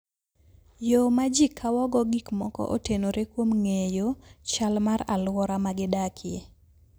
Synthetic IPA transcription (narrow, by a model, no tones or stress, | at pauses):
jomad͡ʒikʰːawɔɡɔɡikmɔkɔ̰ʔo̰tenoɾekwomŋejot͡ʃalmaɾalwɔɾamaɡɪdakʰɪe